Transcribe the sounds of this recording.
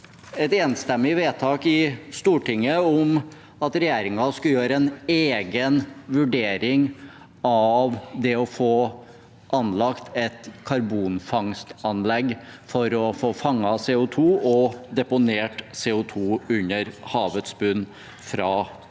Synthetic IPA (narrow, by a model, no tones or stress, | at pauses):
ɛt̪eːnst̪ɛmːɪʋeːt̪ʰɑːkɪst̪uːʈɪŋːəʊm | ɑt̪ɾɛjeːɾɪŋɑskɑljøːɾəɛneːɡənʋʉɖeːɾɪŋ | ɑʋd̪ɛɔfoː | ʔɑnlɑkt̪ɛt̪kʰɑɾbuːnfɑŋst̪ɑnlɛɡfɔɾɔfoːfɑŋːɑseːʊt̪ʰuːɔd̪ɛpʊneːʈseːʊt̪ʰuːʉnəɾhɑːʋət̪sbʉn | fɾɑː